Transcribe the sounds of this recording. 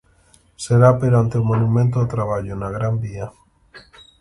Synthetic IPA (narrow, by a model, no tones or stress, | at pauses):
seɾapeɾant̪eomonumẽnt̪oðet̪ɾaβ̞aʎonaɣɾambia